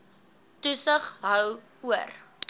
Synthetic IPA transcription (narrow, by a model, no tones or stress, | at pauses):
tusəχɦœw | uər